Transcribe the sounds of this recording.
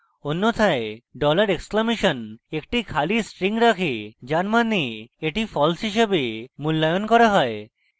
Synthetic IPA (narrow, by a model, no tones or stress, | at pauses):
onːot̪ʰaeɖɔlaɾeksklamiʃɔnekʈikʰalisʈɾiŋɾakʰed͡ʑanmanieʈifʰɔlsɦiʃebemulːajonkɔɾaɦɔe